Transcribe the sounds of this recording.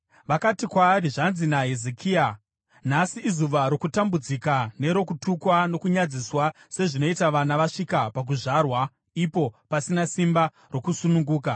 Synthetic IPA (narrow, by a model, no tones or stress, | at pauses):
ʋakatikwaːriʐanzinaɦezekʰiːa | n̤asiʔːzuʋaɾo̞kutambud͡zikane̞ɾo̞kutukwano̞kuɲad͡ziswa | se̞ʐino̞itaʋanaʋaʂikapak̬uʐarwa | ipo̞pasinasimba | ro̞kusunuŋɡuːk̬a